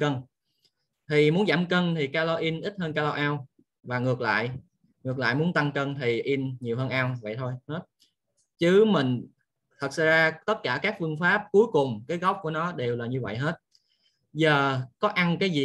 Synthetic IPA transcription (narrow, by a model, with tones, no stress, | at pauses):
kə˧n | t̪ʰi˨˩mu˨˦ənzaː˧˩mkə˧nt̪ʰi˨˩kaː˧lo˧ʔi˧nʔi˦˥t̚həː˧nkaː˧lo˧ʔaː˧w | vaː˨˩ŋɨ˨˩ək̚la̰ː˧˨j | ŋɨ˨˩ək̚la̰ː˧˨jmu˨˦ənt̪a˧ŋkəː˧nt̪ʰi˨˩ʔi˧nɲi˨˩əwɦəː˧nʔaː˧wvə̰˧˨jt̪ʰo˧jhə˦˥t̚ | t͡ɕɨ˨˦mï˨˩ŋ̟ | t̪ʰə˨˩t̚sa̰˧˥zaː˧t̪ə˦˥t̚kaː˧˩kaː˦˥k̚fɨ˧əŋfaː˦˥p̚ku˨˦jkʊ˨˩ŋ͡mkaː˨˦jɣa˦˥wp̚ku˧˩ənɔ˨˦ɗe˨˩wlaː˨˩ɲɨ˧və̰˧˨jɦe˦˥t̚ | zəː˨˩kɔ˨˦ʔa˧ŋkaː˨˦jzi˨˩